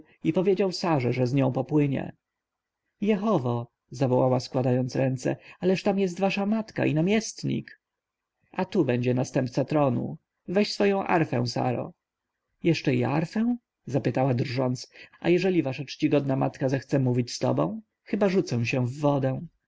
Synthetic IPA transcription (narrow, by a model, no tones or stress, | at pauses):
ipɔvʲjed͡ʑawsaʐɛʐɛzɲɔ̃w̃pɔpwɘɲɛ̰ | jɛxɔvɔ | zavɔwawaskwad̪ajɔnt̪sɾɛnt̪sɛ̰alɛʂt̪amjɛs̬t̪vaʂamat̪ka̰ʔinamʲjɛst̪ɲḭk | at̪ubɛɲd͡ʑɛnast̪ɛmp̚t̪sat̪ɾɔnṵ | vɛɕsfɔjɔ̃w̃ʔa̰ɾfɛ̰̃w̃sa̰ɾɔ̰ | jɛʂt͡ʂɛiaɾfɛw̃ | zapɘt̪awad̪rʐɔnt̪sa̰jɛʐɛlʲivaʂat͡ʂt͡ɕiɡɔd̪̚nama̰t̪kazɛxt̪sɛmuvʲit͡ɕst̪ɔ̰bɔ̰̃w̃ | xɘbaʐut̪sɛ̃ɕɛ̃vːɔd̪ɛ̃